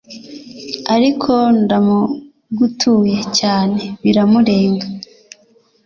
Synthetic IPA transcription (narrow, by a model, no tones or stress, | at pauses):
aɾikʰo̞ndamu | ɡutʰuːje̞caːne̞βiɾamuɾe̞ːŋɡa